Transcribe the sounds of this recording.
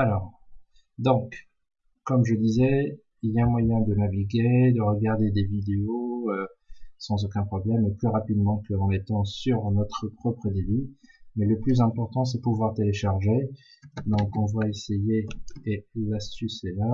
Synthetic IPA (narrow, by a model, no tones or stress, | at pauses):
alɔːʁ | d̪ɔ̃k | kːɔmʒəd̪izɛ | iljaɛ̃mwajɛ̃d̪ənaviɡʲed̪əʁəɡaʁd̪ed̪evid̪eoøsɑ̃zokʲɛ̃pχɔblɛmeplyʁapid̪mɑ̃kəɑ̃net̪ɑ̃syʁnɔt̪χəpχɔpχəd̪ebymɛləplyzɛ̃pɔʁt̪ɑ̃s̬ɛpuvwaʁt̪eleʃaʁʒe | d̪ɔ̃kɑ̃vwaesejeelast̪ysɛla